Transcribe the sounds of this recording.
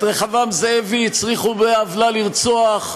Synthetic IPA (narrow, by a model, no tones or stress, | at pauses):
ʁeχavamzeevit͡sʁiχubeavlaliʁt͡soaχ